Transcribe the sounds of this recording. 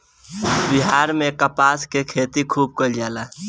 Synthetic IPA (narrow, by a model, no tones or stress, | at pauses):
bɪɦaːɾmẽkəpaːskekʰeːt̪ikʰuːb̚kəld͡ʒaːlaː